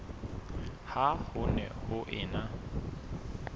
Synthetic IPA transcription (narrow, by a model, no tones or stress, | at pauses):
hahʊnɛ̰hʊʔɪːna